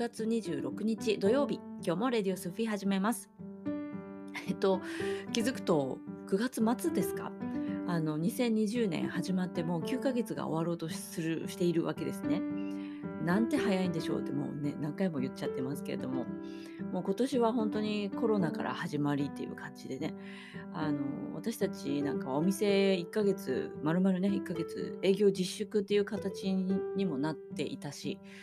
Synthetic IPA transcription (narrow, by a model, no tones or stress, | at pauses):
ɡat͡sɨɲ̟iʑɨ̰ːɾʔo̞kɯ̟ɲ̟it͡ɕid̪o̞jo̞ːbʲikʲo̞ːmo̞ɾe̞d̪ʲio̞sɨɸɯ̟iɦaʑime̞masɨ̥ | et̪o̞kʲizɨkɯ̟̥t̪o̞kɯ̟ɡat͡sɨmat͡sɨd̪e̞sɨ̥ka̰ano̞ɲ̟isẽ̞ɲ̟ːiʑɨːnḛ̃haʑimat̪ːe̞mo̞ːkʲɨːkaɡe̞t͡sɨɡa̰o̞̰βaɾo̞ːt̪o̞sɨɾɯɕi̥t̪e̞iɾɯ̟βa̰ke̞d̪e̞sɨ̥ne̞ | nãnt̪e̞hajaĩnd̪e̞ɕo̞̰ːt̪ːemo̞̰ne̞nãŋkaimo̞jɯ̟t̪t͡ɕːat̪ːe̞masɨ̥ke̞ɾe̞d̪o̞mo̞ | mo̞ːko̞t̪o̞ɕiβaɦõ̞nt̪o̞ɲ̟iko̞ɾo̞naka̰ɾʔa̰haʑimaɾʲit̪ːe̞jɯ̰ːkʰãɲ̟d͡ʑid̪e̞ne̞ | ano̞̰βa̰t̪aɕi̥t̪at͡ɕinãŋkao̞mʲise̞ikːaɡe̞t͡sɨ̰maɾɯ̟maɾɯ̟ne̞ikːaɡe̞t͡sɨ̰e̞ːɡʲo̞ːd͡ʑiɕːɨkɯ̟t̪ːe̞jɯ̟ːkat̪at͡ɕiɲ̟imo̞nat̪ːe̞̰ʔḭt̪aɕḭ